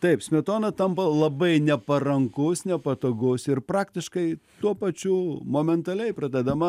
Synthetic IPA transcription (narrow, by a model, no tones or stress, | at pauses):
t̪ɐɪpsʲmʲɛt̪oːnɐt̪ɐmpɐlˠɐbɐɪnʲɛpɐɾɐŋkʊsnʲɛpɐt̪oːɡʊsɪrpɾɑːkt̪ʲɪʃkɐɪt̪uɔpɐt͡ʃʲuːmoːmʲɛnt̪ɐlʲɛɪpɾɐd̪ʲɛd̪ɐmɐ